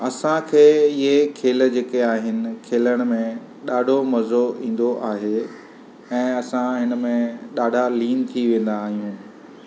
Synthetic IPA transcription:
ɐsãkʰeːɪɦekʰeːld͡ʑeːkeaːɦɪnɪ̆kʰeːləɽ̃̆mẽ | ɗaːɖʱomɐzoĩːn̆d̪oʔaːɦe | ɛ̃ːɐsãɦɪnə̆mẽɗaːɖʱaliːnt̪ʰiʋẽːn̆d̪aːɦijũː

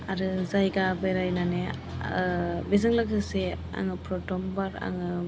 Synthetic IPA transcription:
aɾɯzajɡabɯjɾajnane | bizɯŋlɯkʰɯse | a̰ŋɯpɾɔtɔmbaɾa̰ŋɯ

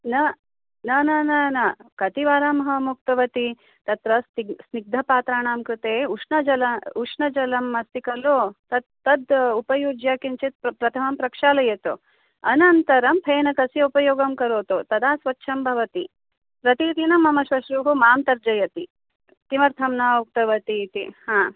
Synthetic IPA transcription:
nɐ | nɐnɐnɐnɐkɐt̪iʋaːɾamɐɦɐmuk̚t̪ɐʋɐt̪i | t̪ɐt̪ɾɐst̪isniɡ̚d̪ʱɐpaːt̪ɾaːɳaːmkɾut̪eːuʂnɐd͡ʒɐlɐuʂɳɐd͡ʒɐlɐmːɐst̪ikɐloːt̪ɐt̪ːɐd̪upɐjuːd͡ʒjaːkint͡ʃit̪̚pɾɐt̪ʰɐmɐmpɾɐkʂaːlɐjɐt̪o | ɐnɐnt̪ɐɾɐmpʰeːnɐkɐsjɐupɐjoːɡɐmkɐɾoːt̪ot̪ɐd̪aːsʋɐtːʃʰɐmbʱɐʋɐt̪i | pɾɐt̪iːt̪inɐmːɐmɐʃʋɐʃɾuːɦumaːmt̪ɐɾd͡ʒɐjɐt̪i | t̪imɐɾt̪ʰɐmnɐuk̚t̪ɐʋɐt̪it̪ihaː

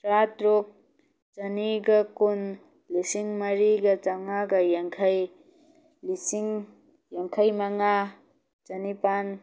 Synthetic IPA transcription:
ɾat̪ɾok̚ | t͡ʃɐniɡakun | lisiŋmaɾiɡat͡ʃaŋaɡajaŋkʰaj | lisiŋ | jaŋkʰajmaŋa | t͡ʃɐnipan

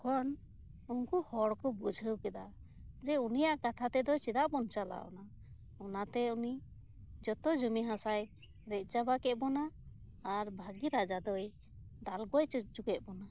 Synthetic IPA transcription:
kʰɔn | unkuhɔɽkɔbud͡ʒʱəwkɛd̪a | d͡ʒɛunijaʔkat̪ʰat̪ɛd̪ɔjt͡ʃid̪aʔbɔnt͡ʃala̰ɔ̰na | ɔnat̪ɛuni | d͡ʒɔt̪ɔd͡ʒumiɦãsaj | ɾɛʔ̚ˀt͡ʃabakɛt̪̚ˀbɔnaː | ɾbʱaɡiɾad͡ʒad̪ɔj | d̪alɡɔjt͡ʃut͡ʃukɛʔ̚bɔna

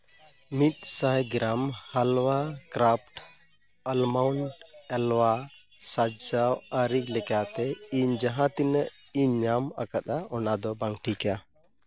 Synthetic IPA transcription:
mit̪̚sajɡɾamhalwakɾap̚ʰʈ | əlmawɳɖɛlwa | sad͡ʒawəɾik̚lɛkat̪ɛiɲd͡ʒaɦãt̪inəiɲɲamakat̪aɔnad̪ɔbaŋʈʰika

